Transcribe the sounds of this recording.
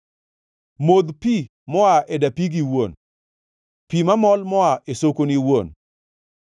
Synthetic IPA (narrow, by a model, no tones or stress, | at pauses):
mod̪pi | mɔaʔɛdapiɡiwon | pimamɔlmɔaʔesokoniwon